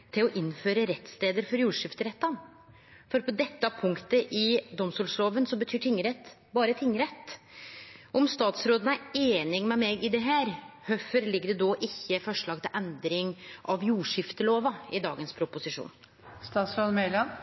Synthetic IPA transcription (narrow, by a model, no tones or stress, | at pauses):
t̪ʰɪlɔʔɪnːføːɾəɾɛt̪ːst̪eːd̪əɾfɔɾjuːʂɪft̪əɾɛt̪ːɑn | fɔɾpʰɔd̪ɛt̪ːɑpʰʊŋkt̪əʔɪd̪ɔmst̪uːlsloːʋənsɔbət̪ʰyːʈʰɪŋːəɾɛt̪ː | bɑːɾət̪ʰɪŋːəɾɛt̪ː | ɔmst̪ɑːt̪sɾoːd̪ənəæɾeːnɪŋmɛmɛɡɪd̪ɛɦæːɾhœfəɾlɪɡːəɖɛd̪oːʔɪçːəfɔʂɭɑːɡt̪ʰɪlʔɛnd̪ɾɪŋʔɑʋjuːʂɪft̪əloːʋɑɪd̪ɑ̰ːɡənspʰɾʊpʊsɪʂṵːn | st̪ɑːt̪sɾoːd̪mɛlɑn